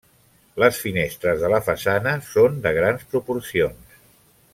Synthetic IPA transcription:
ləsfinest̪ɾəzðələfəsanəsond̪əɣ̞ɾanspɾupuɾsions

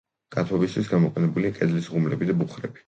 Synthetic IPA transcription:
ɡ̥ʼat̪ʰwɛbist̪ʰwisɡamɔqʼɛnɛbuliakʼɛd̪lisʁumlɛbid̪abuχɾɛbi̥

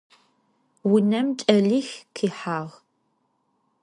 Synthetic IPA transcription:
wʊnɐmt͡ʃʼɐɮixqʰiːħaːʁ

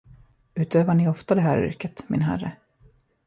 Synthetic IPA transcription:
ʉ̟ːt̪øːvaɳɪɔft̪ad̪ɛɦæːɾʏ̰ɾkət̪mɪnɦæ̰rə̰

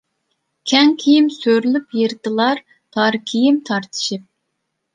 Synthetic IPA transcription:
kʲʰɛŋkʲʰijimsøɾylypjeɾt̪ɨlˠɑɾ | t̪ʰɑɾkʲʰijimt̪ʰɑɾt̪ʰɨ̥ʃip̚

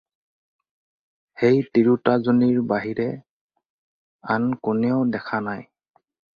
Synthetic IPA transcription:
xejtiɹutazoniɹbaɦiɹɛ | ankunɛʊdɛkʰanaj

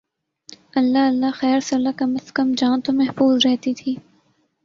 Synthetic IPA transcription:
ɐlːaɐlːaxɛːɾsɐlːakɐməskəmd͡ʒãːnt̪omɛɦfuːzɾɛɦt̪it̪ʰiː

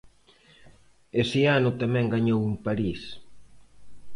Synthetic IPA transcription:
esɪanʊt̪amɛ̃ŋɡaɲowumpaɾis

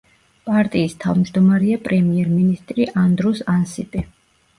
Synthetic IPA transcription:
pʼaɾt̪ʼiːst̪ʰa̰vmd͡ʒd̪ɔmaɾɛapʼɾɛmiɛɾminist̪ʼɾiʔand̪ɾɔsansipʼi

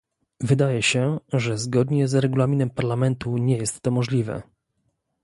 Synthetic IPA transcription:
vɘd̪ajɛɕɛʐɛzɡɔd̪ɲɛzɾɛɡulamʲinɛmpaɾlamɛnt̪uɲɛjɛst̪ːɔmɔʐlʲivɛ̰

